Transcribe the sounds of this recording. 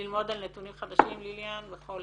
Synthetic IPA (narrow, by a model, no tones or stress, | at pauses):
ilmo̞d̪alnet̪unimχad̪aʃimliljanveχo̞l